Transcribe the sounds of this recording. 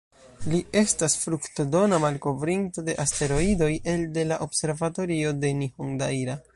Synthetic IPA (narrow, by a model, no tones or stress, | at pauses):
lie̞stasfɾuktodo̞namalko̞vɾinto̞de̞ʔaste̞ɾo̞ido̞jʔe̞lde̞laʔo̞bse̞ɾvato̞ɾio̞de̞nihoŋdajɾa